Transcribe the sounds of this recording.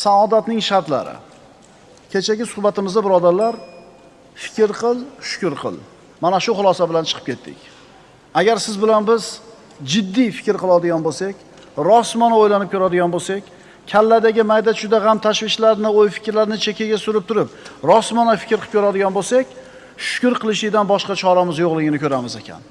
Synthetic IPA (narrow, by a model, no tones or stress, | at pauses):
saɒd̪at̪nɪŋʃaɾt̪la̰ɾɪ̰ | kʲʰe̞t͡ʃʰaɡʲɪsʊhbat̪ɪmɪzd̪abɪɾɒd̪aɾlaɾ | fɪ̥kʲɾqʰɨlˠʃʊ̥kʲʊɾqʰɨ̰lˠ | manaʃʊχʊlˠɒsabɪlant͡ʃʰɨ̥qʰɨ̥p̚kʲʰe̞t̪ʰːɪ̰kʲ | aɡʲaɾsɪzbɪlanbɪz | d͡ʒɪd̪ːijfɪkʲɾqʰɨlˠɒld̪ɪɡʲanbolˠsakʲ | ɾɒsmɒnaojlanɪp̚kʲʰɵɾad̪ɪɡʲanbolˠsakʲ | kʲʰalːad̪aɡʲɪmajd̪at͡ʃʊd̪aʁamt̪ʰaʃvɪʃlaɾnɪojfɪ̥kʲɾlaɾnɪt͡ʃʰekʲʰaɡʲasʊɾɪp̚t̪ʰʊɾɪp̚ɾɒsmɒnafɪ̥kʲɾʰɨp̚kʰʲoɾad̪ɪɡʲanbolˠsakʲ | ʃʊ̥kʲʊɾqʰɨlˠɪʃɪd̪anbɒʃqɑt͡ʃʰɒɾamɪzjoʁlˠɪɡʲɪnɪkʰʲɵɾamɪzekʲʰa̰n